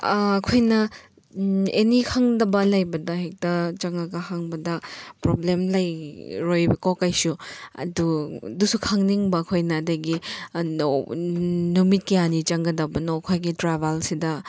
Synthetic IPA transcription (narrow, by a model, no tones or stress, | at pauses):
kʰojnɐ | enikʰaŋdɐbɐlɐjbɐdɐhek̚tɐt͡ʃɐŋaɡɐhaŋbɐdɐpɾoblemlajɾojkawkajsuɐ̰dudusukʰaŋniŋbɐːkʰojnɐːdɐɡi | numit̚kejanit͡ʃɐŋɡɐdɐbɐnokʰojɡitɾabʱalsidɐ